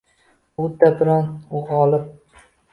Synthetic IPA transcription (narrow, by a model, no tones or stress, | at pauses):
ʊd̪abɪɾɒnʊʁɒlɪp̚